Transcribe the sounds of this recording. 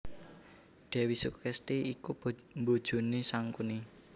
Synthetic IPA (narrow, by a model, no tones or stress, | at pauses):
ɖ̪̥ɛ̤wisuksɛst̪iikumbod̥ʒ̥o̤nisaŋkuni